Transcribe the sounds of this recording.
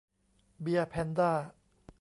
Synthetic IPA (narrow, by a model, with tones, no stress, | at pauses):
bi˧apʰɛ˧nd̪aː˥˩